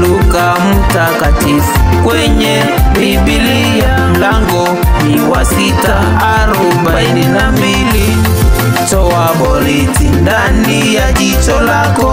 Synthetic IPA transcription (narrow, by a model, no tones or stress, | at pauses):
luka | mutakatifukwɛɲɛ | bi | ɓili | jam̩laŋɡɔ | niwasitaː | ɾɔɓaininambili | t͡ʃɔwaɓɔlitindanijaʄit͡ʃɔlakɔ